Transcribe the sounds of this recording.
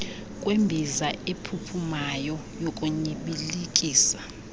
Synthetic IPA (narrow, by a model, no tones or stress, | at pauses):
kʼwembʱizaepʰupʰumajɔ | jokʼuɲiɓilikʼiːsḁ